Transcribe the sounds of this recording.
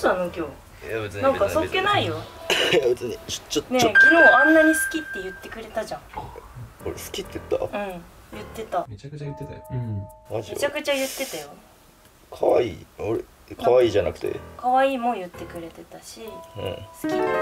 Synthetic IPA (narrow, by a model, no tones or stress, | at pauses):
sanokʲoː | enãŋkasokːe̞naijojabe̞t͡sɨɲio̥t͡ɕːonekʲino̞ːãnːaɲ̟isɨ̥kʲit̪ːe̞jɯ̟t̪ːe̞kɯ̟ɾe̞t̪aʑãŋk | oɾesɨ̥kʲit̪ːejɯt̪ːa̰ɯ̟̃ɴ | jɯ̟t̪ːe̞t̪amː | maʑimt͡ɕakɯ̟t͡ɕajɯ̟t̪ːe̞t̪ajo | kʰaβa̰ḭːoɾe | kʰaβaiːʑana̰kɯ̟̥t̪ḛkaβaiːmo̞jɯ̟t̪ːe̞kɯ̟ɾe̞t̪e̞t̪aɕiɯ̰̃ɴsɨ̥kʲi